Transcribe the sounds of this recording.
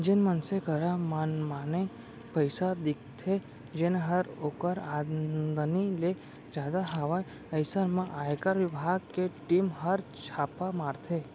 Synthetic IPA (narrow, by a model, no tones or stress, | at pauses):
d͡ʒenmənsekəɾamanmane | pəjsad̪ɪk̚ʰt̪ʰe | d͡ʒeneɦəɾokəɾad̪ənile | d͡ʒad̪aɦəʋa | əjsəɾmãʔaekaɾʋɪbʱaɡ̚keʈimɦəɾt͡ʃʰapamaɾt̪ʰe